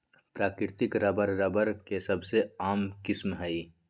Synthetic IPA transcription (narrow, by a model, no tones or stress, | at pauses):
pɾaːkɾɪɾt̪ɪkɾɐbəɾɾəbəɾkesɐbʱseaːmkɪsmɦɛi